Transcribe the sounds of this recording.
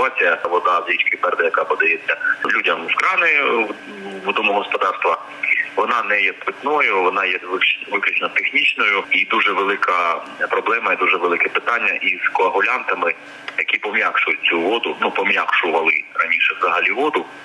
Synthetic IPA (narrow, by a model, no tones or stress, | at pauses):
t̪ʊat͡sʲijɐʋɔd̪ɑzɾʲit͡ʃkɪpɛrd̪ɐjɐkɑpɔd̪ɐjɛt͡sʲːɐlʲudʲɐmskɾɑnɔjʊ | ʋɔd̪ɔmʊɦɔspɔd̪ɑrst̪ʋɐ | ʋɔnɑnɛjɛt̪ʊt̪ʲnɔjʊʋɔnɑjɛʋɪkʋɪklʲut͡ʃnɔt̪exnʲit͡ʃnɔjʊid̪uʒɛʋelˠɪkɐpɾɔblˠɛmɐid̪uʒɛʋelˠɪkɛpɪt̪ɑnʲːɐʔizkɔɐɦʊlʲant̪ɐmɪ | jɐkʲipɔmʲjʲakʃʊjʊt̚ʲt͡sʲuʋɔd̪ʊnupɔmʲjakʃʊʋɐlˠɪrɐnʲiʃɛʋzɐɦɐlʲiʋɔd̪ʊ